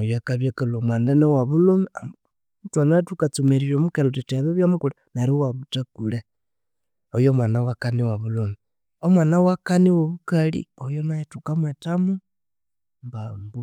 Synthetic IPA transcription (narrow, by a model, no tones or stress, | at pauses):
ojoakaβjekalomwandenewaβulomia | twanatukat͡sumeɾiɾomukelotiteβeβjamukulenaɾiwaβutakule | ojomwanawakaniwaβulomi | omwanawakaniwoβukalḭojonajetukamwetamu | mbambu